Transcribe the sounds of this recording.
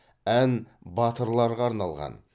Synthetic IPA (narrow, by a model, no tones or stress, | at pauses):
ænbɑt̪əɾlˠɑɾʁɑːɾnɑlˠʁɑ̰n